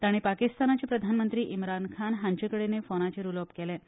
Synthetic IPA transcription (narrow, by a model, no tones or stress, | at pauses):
t̪aɽ̃ipakist̪anat͡ɕepɾəd̪ʱanmənt̪ɾiːʔimɾankʰanɦaɲt͡ɕekəɽenefonat͡ɕeɾulopkelẽ